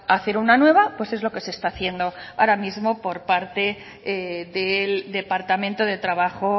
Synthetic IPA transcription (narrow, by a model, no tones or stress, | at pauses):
aθe̞ɾunanwe̞β̞apwe̞se̞zlo̞ke̞se̞st̪aːθje̞nd̪o̞aɾamizmo̞po̞ɾpaɾt̪e̞ | eðeld̪e̞paɾt̪amẽnt̪o̞ðe̞t̪ɾaβaxo̞